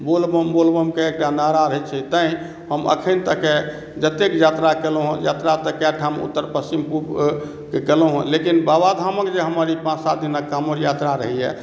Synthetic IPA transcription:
bolbəmbolbəmkeekʈanaɾaɾəɦɛt͡ʃʰɛt̪ə̃ĩ | ɦəmə̰kʰənt̪əke | d͡ʒət̪ekjat̪ɾakelɦũja̰t̪ɾat̪əkaʈʰamṵt̪ːəɾpəst͡ʃimpup | kekeloɦṵ̃lekinbabad̪ʱaməkd͡ʒeɦəməɾipãt͡ʃsat̪̚ʰd̪inakːamoɾjat̪ɾaɾə̰ɦiɛ̰

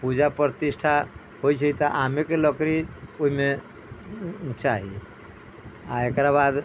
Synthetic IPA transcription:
pud͡ʒapɾət̪isʈʰa | hojt͡ʃʰəit̪ɔʔamekeləkɾioɦime | t͡ʃaɦḭ | aekɾabad̪

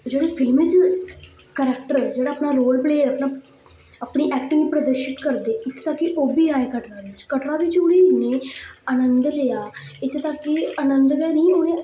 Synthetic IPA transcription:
d͡ʒeːɽeːpʰɪlmɪd͡ʒ | kɛɾɛkʈəɾd͡ʒeːɽaːəpnaːɾoːlpleːəpnãː | aːpɳiːʔɛːk̚ʈɪŋipɾəd̪əɾʃɪt̪kəɾd̪eːɪt̪ʰet̪akːiʔoːbiːaːeːkəʈɾãːʋɪt͡ʃkəʈɾãːd̪it͡ʃuːɽiːneːənənd̪lejaːɪt̪ʰet̪aːkːiənənd̪ɡɛːnəĩːɦoːaː

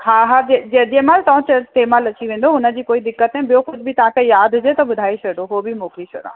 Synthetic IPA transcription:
kʰaɦad͡ʑed͡ʑed͡ʑemaːlt̪ɐʋãt͡ɕɐt̪eːmaːlɐt͡ɕiʋẽːnd̪oʊnə̆d͡ʑiːkoːid̪ɪkːət̪ãbɪjoxʊd͡ʑʱbʱɪt̪ɐʋ̤ãkejaːd̪ʱʊd͡ʑet̪ɐbʊd̪ʱaːet͡ɕʰɐɽoɦobʱɪmoːkɾit͡ɕʰɐ̰ɽã̰ː

